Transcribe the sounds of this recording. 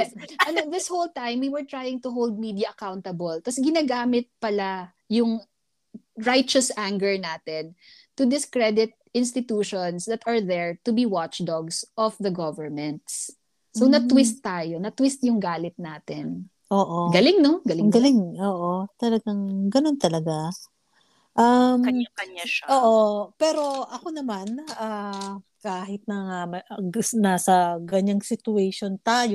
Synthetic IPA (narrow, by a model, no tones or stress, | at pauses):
ʔɐnoðɪshowlt̪ãjmwiwɛɹt̪ɹajɪŋt̪ʊɦowld̪̚mid̪iɐʔɐkawnt̪ɐbɔlt̪ɐsɡɪnaɡaːmɪt̪̚pɐla | jʊŋ | ɹajt͡ʃɐsʔaŋɡɛɹnaːt̪ɛn | t̪ʊd̪ɪskɹɛd̪ɪt̪̚ʔɪ̃nst̪ɪt̪uːʃonsd̪ɐt̪ɐɹðɛɹt̪ʊbiwat͡ʃd̪ɔɡsʔɔfðɐɡɔvəɹmɛnt̪̚sː | onɐt̪wɪst̪ːaːjonɐt̪wist̪̚jʊŋɡaːlɪt̪̚naːt̪ɪn | ʔoːʔoɡɐlɪŋnoɡɐlɪŋɡɐlɪŋʔoːʔot̪ɐlɐɡaŋɡɐnont̪ɐlɐɡa | ʔɐmkɐaʔoːʔopɛːɾo̞ʔɐkonɐmanʔaːkaːɦɪt̪̚nɐŋamɐɡnaːsɐɡɐɲaŋsɪt̪ʊɛjʃont̪aːjo